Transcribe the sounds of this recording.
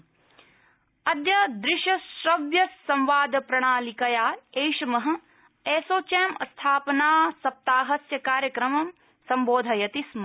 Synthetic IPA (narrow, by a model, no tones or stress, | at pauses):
ɐd̪jɐd̪ɾɪʃɐʃɾɐʋjɐɐ̃mʋaːd̪ʱɐpɾɐɳ̃aːlikɐjaːejʃɐmɐɦɐ̆ | eːsoːt͡ʃaːmɐst̪ʰaːpɐnaːsɐp̚t̪aːɦɐsjɐkaːɾjɐkɾɐmɐm | sɐmboːd̪ʱɐjɐt̪ismɐ